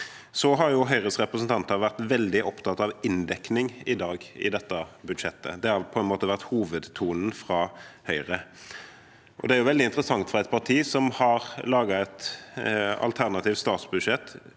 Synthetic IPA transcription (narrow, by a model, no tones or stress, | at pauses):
sɔɦɑɾjʊɦœʏʁəsʁɛpʁəsn̩t̪ɑnt̪əʋæʁt̪ʋɛld̪ɪʔɔpt̪ʰɑt̪ɑʋɪnd̪ɛknɪŋɪd̪ɑːɡɪ̰d̪ɛt̪ːɑbʉd̪ʂɛt̪ːə̰d̪ɛhɑʁpʰɔɛnmoːt̪əʋæʁt̪huːʋəd̪t̪ʰuːnn̩fʁɑhœʏʁə | ʔɔ̰d̪ɛæɾjʊʋɛld̪ɪnt̪ɾəsɑŋt̪fɔʁɛt̪̚pʰɑʁʈ̪ʰiːsɔmhɑʁlɑːɡɑɛt̪ | ɑ̰lt̪ʰæʁnɑt̪ɪːft̪st̪ɑːt̪sbʉd̪ʂɛt̪ː